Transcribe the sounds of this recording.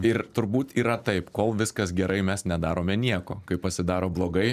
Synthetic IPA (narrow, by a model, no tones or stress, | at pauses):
ɪɾt̪ʊɾbuːt̪iːɾɐt̪ɐɪpkoːlˠʋʲɪskɐsɡʲɛɾʔɐɪmʲɛsnʲɛd̪ɑːɾoːmʲɛnʲiɛkoːkɐɪpɐsʲɪd̪ɑːɾoːblˠoːɡɐɪ